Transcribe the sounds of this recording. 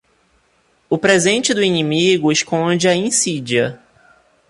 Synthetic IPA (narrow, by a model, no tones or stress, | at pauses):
ʊpɾezẽnt͡ʃɪd̪ʊinĩmiɡʊeʃkõd͡ʒɪɐĩsid͡ʒiɐ